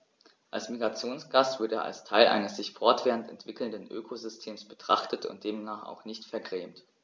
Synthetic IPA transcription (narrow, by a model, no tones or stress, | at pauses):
ʔa̰lsmiɡʁat͡sjoːnsɡ̥astv̥ʊɐdəeːɐʔa̰lstʰaɪlʔa̰ɪnəsz̥ɪçfɔɐtv̥ɛːʁəntɛntv̥ɪkl̩ndənʔø̰ːkʰozʏstʰeːmsb̥ətʁ̥aχtətʊ̰nt̚d̥eːmnaːχa̰ʊxnɪçtfɛɐɡʁɛːmt